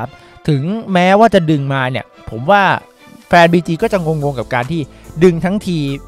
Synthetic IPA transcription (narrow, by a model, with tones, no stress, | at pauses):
p̚ | t̪ʰɯ˩˦ŋmɛː˦˥waː˥˩t͡ɕa˨˩dɯ˧ŋmaː˧ni˥˩əpʰo˩˦mwaː˥˩ | fɛː˧nbiː˧t͡ɕiː˧kɔː˥˩t͡ɕa˨˩ŋo˧ŋwo˧ŋka˨˩p̚kaː˧nt̪ʰiː˥˩ | dɯ˧ŋt̪ʰa˦˥ŋt̪ʰiː˧